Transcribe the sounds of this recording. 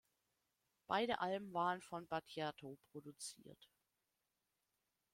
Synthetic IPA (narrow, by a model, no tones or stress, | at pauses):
b̥aɪɾə̰ʔalbm̩vaːʁənfɔnbatʰjatʰopʁ̥odut͡sḭːɐt